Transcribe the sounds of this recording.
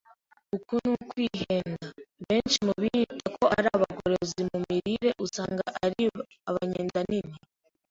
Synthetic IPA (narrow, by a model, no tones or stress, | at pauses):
ukunukwiːhenaβe̞ːnt͡ʃimuβiitʰakʰo̞ʔaɾaβaɡo̰ɾezimumiɾiɾe̞ʔusaːŋɡa̰ʔaɾi | aβaɲeːndanini